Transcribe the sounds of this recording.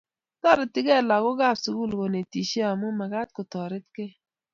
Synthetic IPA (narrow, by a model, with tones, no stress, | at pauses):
tɔ˦ɾɪ˨tːɪ˦ɡɛ˦˨la˨kʊ˦ɡa˦˨psu˨ku˦˨lko˨ne˨ti˨ʃe˦a˨mu˦ma˨ɡa˦t̚kʊ˨tɔ˨ɾɪ˦t̚kɪ˦